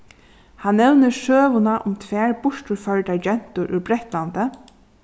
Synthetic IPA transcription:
hanːɛwnəʃøːʋʊnaʔʊmt̪ʰʋɛːɹbʊʂʈʊɹfœɹʈaɹd͡ʒɛn̥t̪ʊɾʔʉbɾɛht̪lant̪ə

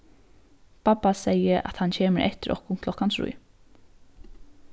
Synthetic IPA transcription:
papːasejəʔa̰t̪hancʰeːmɪɾʔɛ̰ht̪ɪɾʔɔ̰hkʊnkʰlɔhkansɾṵj

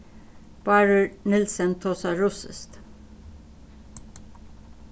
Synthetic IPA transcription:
b̥ɑːɹʉnɪlsənt̪ʰoːsɑɹusə̰st̪

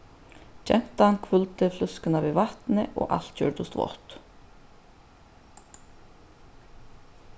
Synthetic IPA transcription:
t͡ʃɛ̰n̥t̪aankʰvʉlt̪ɪflʏskʏnavivaht̪nɪʔɔ̰ːɣʔa̰l̥t̪cʰœːɹt̪ʊst̪vɔ̰ht̪

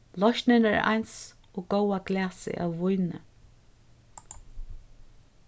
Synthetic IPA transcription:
lɔʃnɪnəa̰jns | ɔːɡowaɡlæːsɪ̰ʔa̰wːʊjnə̰

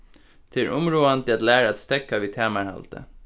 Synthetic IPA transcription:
t̪ʰɪɾʔʊmɾuːant̪ʰɪɑt̪læːɾəɑt̪st̪ɛkaʋiːt̪ʰæːmæɹhɑ̰lt̪ʰə̰

